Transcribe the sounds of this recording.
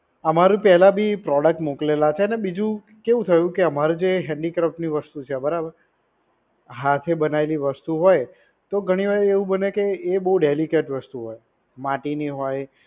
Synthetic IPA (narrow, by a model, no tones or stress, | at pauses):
əmaɾũpɛɦlabʱipɾɔɽək̚ʈmoklelat͡ʃʰeənebid͡ʒũ | keʋũt̪ʰəjũkeəmaɾud͡ʒeɦɛ̃ɳɖikɾəfpniʋəst̪ut͡ʃʰebəɾabəɾ | ɦat̪ʰebənaeliʋəst̪uɦoj | t̪oɡʱəɽ̃iʋaɾeʋũbənekeːbəɦuɖelikeʈʋəst̪uɦoj | maʈiniɦoj